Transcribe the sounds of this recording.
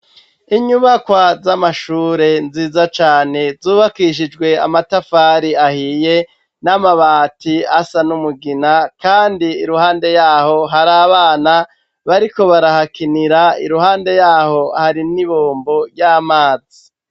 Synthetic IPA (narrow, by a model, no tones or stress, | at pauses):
iɲuβakwazamaʃuːɾe̞nziːzat͡ʃaːne̞zuːβakiʃ̬id͡ʒɡwe̞a̰matafaɾiahije̞ | namaβaːtiasanumuɡinakaːndiːɾuhaːnde̞jaːho̞ɦaɾaːβaːna | βaɾiko̞βaɾahakiniɾaḭɾuhaːnde̞jaːho̞haɾiniβoːmbo̞ɾjaːmaːzi